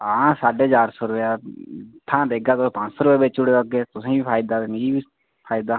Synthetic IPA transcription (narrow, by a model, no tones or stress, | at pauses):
ãsaːɖeːd͡ʒaːɾsɔːɾʊʋeaːt̪ʰãːd̪eːɡaːt̪opãt͡ʃsɔːɾʊpeːbeːt͡ʃʊɽeːəɡeːt̪ʊsẽːbiːpʰaːɪd̪aːeneiːbiː | pʰaːɪd̪aː